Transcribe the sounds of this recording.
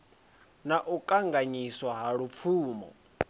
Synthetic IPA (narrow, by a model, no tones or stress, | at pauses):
naʔukʼaŋɡaɲiswaɦaɺup̪fʰuːmɔ̰